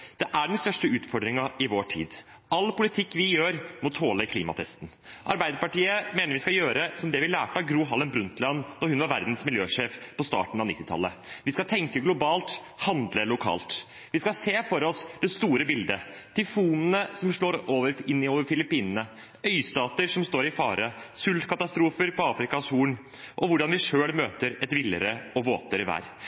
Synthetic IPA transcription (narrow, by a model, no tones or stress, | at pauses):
d̪̥ɛʔæɖɛnst̪œʂʈəʉːt̪fɔɖ̪ɾɪŋɑʔɪʋoːʈʰḭːd̪ | ɑlːpʰʊlɪt̪ʰɪkːʋɪjøːɾmɔt̪ʰoːləkʰliːmɑ̰t̪ʰɛst̪n̩ | ʔɑ̰ɾbæɪd̪əɾpɑʈiːəmeːnəɾʋɪskɑjøːɾəsɔmd̪ɛʋɪlæ̰ːʈəɑɡɾuːɦɑlənbɾʉnt̪lɑnd̪ɔɾhʉnʋɑɾʋæɾd̪nsmɪljøːʂeːfpʰɔst̪ɑ̰ːʈnɳ̩ɑʋnɪt̪ːɪt̪ʰɑ̰lːəʋɪskɑlt̪ʰɛŋkəɡlʊbɑːlt̪ | hɑnd̪ləlʊkʰɑ̰ːlt̪ | ʋɪskɑseːfɔɾɔsd̪̥ɛst̪uːɾəbɪld̪ə | t̪ʰɪfuːnənəsɔmʂɭoːɾoːʋəɾɪnːɪoːʋəɾfɪlɪpiːnənə | œʏst̪ɑːt̪əɾʂɔmst̪oːɾɪfɑːɾʔəsʉlt̪kʰɑt̪ɑst̪ɾuːfəɾpʰɔɑːfɾɪkɑsuːn | ʔɔʋʊɖɑnʋɪʂøːlmøːt̪əɾɛt̪ʋɪlːəɾəɔʋoːt̪ʰəɾʋæ̰ːɾ